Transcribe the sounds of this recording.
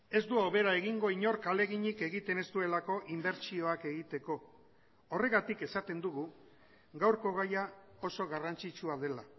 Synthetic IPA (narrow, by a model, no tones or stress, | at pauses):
e̞zd̪uoβe̞ɾae̞ɣiŋɡo̞iɲo̞ɾkale̞ɣiɲike̞ɣit̪e̞ne̞st̪ue̞lako̞ʔimbe̞ɾt͡ʃio̞ake̞ɣit̪e̞ko̞ː | re̞ɣat̪ike̞sat̪e̞nd̪uɣu | ɣawɾko̞ɣ̞aja | o̞so̞ɣarant͡ʃit͡ʃuaðe̞la